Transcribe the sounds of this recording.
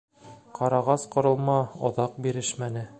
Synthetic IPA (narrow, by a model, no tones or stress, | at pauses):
qɑɾɑʁɑsqŏɾɤ̆lˠmɑŏðɑq̚biɾɘʃmænɘ